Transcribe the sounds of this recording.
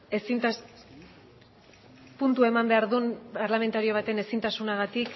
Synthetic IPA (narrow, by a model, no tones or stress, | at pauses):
esit̪ | punt̪ue̞mambe̞aɾðunpaɾlame̞nt̪aɾio̞β̞at̪e̞ne̞sint̪asunaɣ̞at̪ik